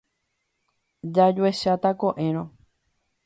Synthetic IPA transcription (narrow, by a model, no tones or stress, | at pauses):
d͡ʒad͡ʒueʃat̪akõʔẽ̞ɾ̃õ